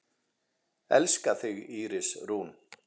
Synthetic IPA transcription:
ɛ̰lskaθʏɣiːɾɪsruːn

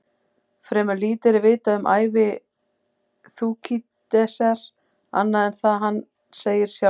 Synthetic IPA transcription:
fɾɛmʏliːt̪ɪɾɪvɪːt̪aʏmʔa̰ːjvɪ | θuːkʰit̪ | ɛsaɾ̥ | a̰nːaðɛnθaðɦanː | seːjɪɾ̥sja

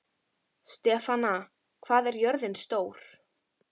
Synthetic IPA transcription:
st̪ɛːfana | kʰv̥aːðɛɾjœɾðɪnst̪oːwɾ̥

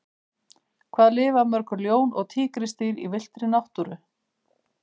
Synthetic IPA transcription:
kʰvaːðlɪːvamœɾ̥kʏɾljoːwnɔ̰ɣt̪ʰiːkɾɪst̪iːɾḭvɪl̥t̪ɾɪnawht̪uɾʏ

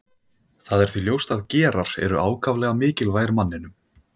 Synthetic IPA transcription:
θaðɛɾ̥θviljowst̪aðcɛːɾaɾ̥ɛ̰ɾʏʔaːwkʰavlɛːɣamɪːcɪlvaːjɾmanːɪnʏm

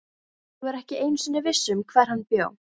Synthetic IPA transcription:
θuɛɾɛhcɪejnsʏnɪvɪsːʏmkʰvɛːɾ̥hanːpjo̰ːw

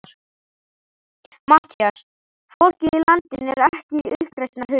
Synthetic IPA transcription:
ɾ̥ | mat̪ʰias | fowl̥cɪilant̪ɪnɛɾɛhcɪʏhkɾajst̪nahʏ

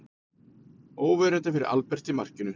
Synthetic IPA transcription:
oːwvɛɾɛnt̪ɪfɪɾɪɾʔa̰lpɛr̥t̪imar̥cɪnʏ

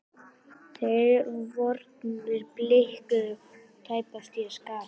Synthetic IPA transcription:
θeɾvɔɾt̪̚nɪɾplɪhkʏ | t̪ʰaːjpast̪iɛskaː

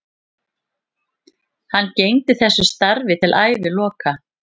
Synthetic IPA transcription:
hanːcejnt̪ɪθɛsːʏst̪aɾvɪt̪ʰɪlʔaːjvɪlɔːka

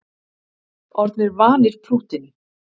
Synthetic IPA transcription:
ɔɾt̪nɪɾvaːnɪɾ̥pʰɾuːht̪ɪn

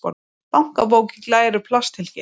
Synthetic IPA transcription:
kɔ̰n | pawŋ̥kap̬oːwcɪklaːjɾʏpʰlast̪ʰɪlcɪ

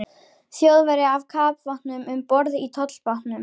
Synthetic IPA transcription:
θjowðvɛɾɪavkʰaːpvahtnnʏmʏmpɔɾðit̪ʰɔt̪l̥pahtnnʏm

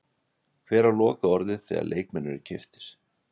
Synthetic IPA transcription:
kʰvɛːɾalɔːkaɔɾðɪðθɛ̰ːɣa̰lʔḛːjk̚mɛnːʏɾɪɾcʰɪft̪ɪ̥ɾ̥

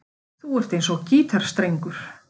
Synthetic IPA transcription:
θuɛɾ̥t̪ejnsɔɣciːt̪ʰaɾ̥st̪ɾejŋkʏɾ̥

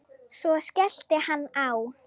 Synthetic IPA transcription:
sɔskɛɬt̪ɪhanːaw

